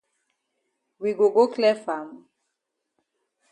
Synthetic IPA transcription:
wi˨ɡo˨ɡo˦klɛ˦fa˨mu˨

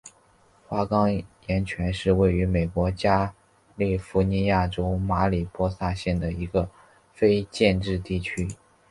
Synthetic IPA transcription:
xwa˥kɑ˥ŋjɛ˧˥nt͡ɕʰɥɛ˧˥nʂɻ̩˥˧we˥˩ɪy˧˥me˨˩ɪkwɔ˧˥t͡ɕja˥ | li˥˩fu˧˥ni˧˥ja˥˩ʈ͡ʂo˥ʊma˧˥li˨˩pwɔ˥sa˥˧ɕjɛ˥˩nd̪ə˩i˧˥ɡə˧ | fe˥ɪt͡ɕjɛ˥˧nʈ͡ʂɻ̩˥˧t̪i˥˩t͡ɕʰy˥

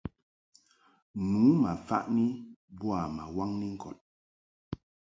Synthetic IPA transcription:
nu˨˦ma˨fa̰˦ʔni˦bu˦a˨ma˨wa˦ŋni˦ŋ̩˦kʰɔ˨t̚

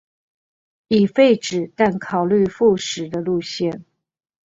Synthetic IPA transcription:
i˨˩fe˥˩ɪʈ͡ʂɻ̩˨˩t̪a˥˩nkʰɑ˨˩ʊly˥˧fu˥˩ʂɻ̩˨˩d̪ə˦lu˥˧ɕjɛ˥˩n

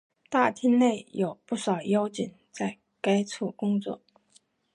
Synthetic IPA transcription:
t̪a˥˩t̪ʰi˥nne˥˩ɪjo˨˩ʊpu˥˩ʂɑ˨˩ʊjo˥ʊt͡ɕi˨˩ŋ | t͡sa˥˩ɪ | ka˥ɪt͡sʰu˥˩kʊ˥ŋt͡swɔ̰˥˩

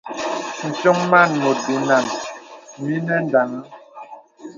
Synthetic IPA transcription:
n̩˨so˦ŋma˦˨nmo˨bi˨na˨n | mi˦nɛ˦n˨da˨ŋ˦

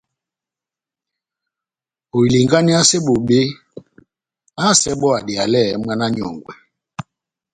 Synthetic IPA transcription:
o˨i˨li˨ŋɡa˦ni˦a˦sɛ˦ɓo˨ɓe˦ | a˦˨sɛ˦ɓɔ˦a˨di˨a˨lɛ˦˨mwa˦na˦ɲɔ̰˨ŋɡwɛ˨

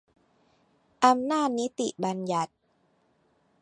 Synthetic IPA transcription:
ʔa˧mnaː˥˩t̪̚ni˦˥t̪i˨˩ba˧nja˨˩t̪̚

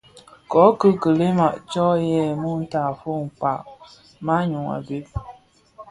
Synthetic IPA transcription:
kɔ˨˦kə˦kə˨le˦ma˨ʔt͡ʃɔ˦jɛ˦˨mu˦n̩˦ta˨fo˦ŋ̩˨k͡pa˨ʔ | ma˦ɲu˨ŋa̰˨be˦p̚

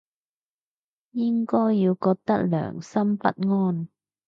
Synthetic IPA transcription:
jɪ˦˥ŋkɔː˥jːiː˧wkɔː˧k̚t̪ɐ˥k̚lœ̰ː˨˩ŋsɐ˥mfɐ̰˥t̚ŋɔː˥˩˨n

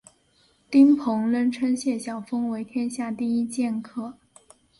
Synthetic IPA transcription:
t̪i˥ŋpʰɤ˧˥ŋlə˥nʈ͡ʂʰə˥nɕjɛ˥˩ɕjɑ˨˩ʊfɤ˥ŋwe˧˥ɪt̪ʰjɛ˥nɕja˥˧t̪i˥˩i˥t͡ɕjɛ˥˧nkʰɤ˥˩

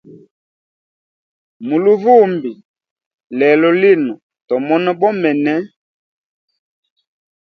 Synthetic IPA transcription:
mu˨lu˦vu˦˨mbi˨ | lɛ˨lɔ˨li˦˨nɔ˨ | tɔ˨mɔ˦nɔ˦bɔ˦mɛ˨nɛ˦

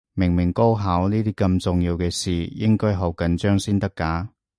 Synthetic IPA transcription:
mɪ˨˩ŋmɪ˨˩ŋko˥wɦaː˨˥wniː˥t̪iː˥kɐ˧mt͡sʊ˨ŋjiː˧wkɛː˧siː˨jɪ˥ŋkɔː˥jɦɐ˨˧wkɐ˨˥nt͡ʃœː˥ŋsiː˥nt̪ɐ˥kːaː˨˥

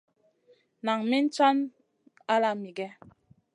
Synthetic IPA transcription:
na˨ŋmi˦n̩˦t͡sa˦n | a˦la˦˨mi˨ɡɛ˦

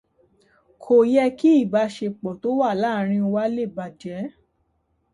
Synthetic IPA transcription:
kʰo˨jɛ˧ki˦i˦˨ba˨˧˦ʃe˧k͡pɔ̃˨to˨˦wa˦˨la˦˨ɾ̃ĩ˧wa˦le˦˨ba˧˨d͡ʒɛ˨˦

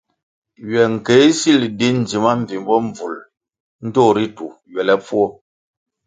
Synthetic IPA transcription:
ɥɛ˨ŋ̩˨ke˨˦si˦˨ldi˦n˨d͡ʒi˨ma˦m̩˨vi˨m˦bɔ˦ɱ˨b͡vu˨l | n̩˦toː˦˨ɾi˦tu˨ | ɥɛ˨lɛ˦fwɔ˦

